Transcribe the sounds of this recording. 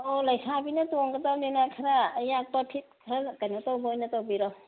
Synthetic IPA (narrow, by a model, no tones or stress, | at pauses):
olɐjsʰabinɐtoŋɡɐtawnenakʰɐɾajak̚pɐpʰit̚kʰɐɾakajnotawbɐojnɐtawbiɾo